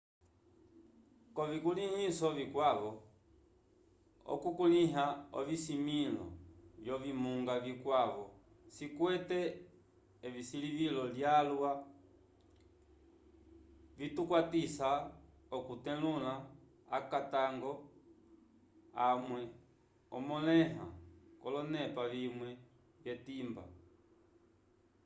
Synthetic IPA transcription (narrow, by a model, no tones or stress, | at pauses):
kɔvikulihisɔvikwavɔ | ɔ̰kukuliɦaɔ̰visimilɔ̰vjɔvimuŋɡavikwavɔ | sikwɛtɛː | visilivilɔljalwa | vitukwatisa | ɔkutɛ̃lulaː | kataŋɡɔ | amwɛ | ɔmɔlɛɦa̰kɔlɔnɛpavimwɛ | vjɛtimba̰